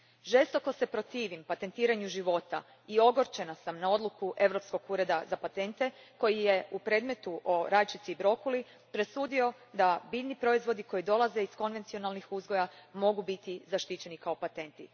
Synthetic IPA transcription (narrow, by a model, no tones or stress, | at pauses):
ʒe̞st̪o̞ko̞se̞pɾo̞t̪iːʋimpat̪e̞nt̪iːɾaɲuʒiʋo̞t̪a̰ | io̞ɡo̞ɾt͡ʃe̞nasamnao̞d̪lukuʔe̞ʋɾo̞psko̞ɡuːɾe̞d̪azapat̪e̞nt̪e̞ko̞jije̞upɾe̞ːd̪me̞t̪uʔo̞ɾaːjt͡ʃit̪siːbɾo̞kuli | pɾe̞suːd̪io̞ | d̪abilnipɾo̞izʋo̞d̪iko̞jid̪o̞lˠaze̞isko̞nʋe̞nt̪sio̞nalˠnixuzɡo̞jamo̞ɡubit̪izaʃt̪it͡ɕe̞nikao̞pat̪e̞nt̪i